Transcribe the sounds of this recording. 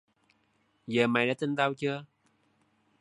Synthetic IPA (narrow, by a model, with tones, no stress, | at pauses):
zəː˨˩ma˨˩ɗaː˧˥t̪i˧nt̪a˧wt͡ɕɨ˧ə